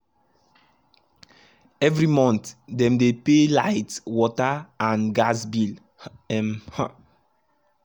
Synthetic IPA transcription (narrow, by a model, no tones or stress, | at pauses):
ɛvɹimɔ̃nt̪dɛ̃mdepelaɪtwɔtaãnɡasbil | ɛmha